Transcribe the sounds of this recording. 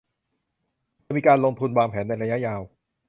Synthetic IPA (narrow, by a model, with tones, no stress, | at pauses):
miː˧kaː˧nloː˧ŋt̪ʰu˧nwaː˧ŋpʰɛː˩˦nːa˧jɾa˧ja˦˥ʔjaː˧w